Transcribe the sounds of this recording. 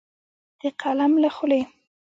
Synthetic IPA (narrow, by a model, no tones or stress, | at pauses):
d̪̥əqʰalamlaxʊle